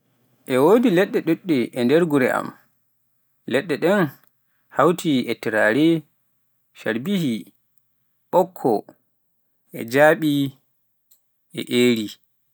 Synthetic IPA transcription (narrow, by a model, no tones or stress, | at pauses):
ʔɛwodilɛɗːɛɗuɗːɛʔɛndɛɾɡuɾɛ̰a̰m | lɛɗːɛɗɛn | hawtʰiɛtiɾaɾɛ | ʃaɾbihi | ɓɔkʰːɔ | ʔɛ̰d͡ʒaːɓi | ʔɛ̰ʔeːɾi